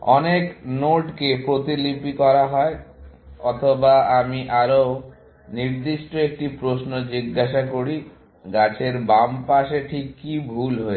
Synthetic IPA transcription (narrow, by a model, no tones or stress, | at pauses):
ɔ̰neknoʈkepɾot̪ilipikɔɾaɦɔeɔt̪ʰobaamiʔaɾo | niɾd̪iʃʈoek̚ʈipɾosnod͡ʑiɡːaʃakoɾi | ɡat͡ɕʰeɾbampaʃeʈʰikːibʱulɦoe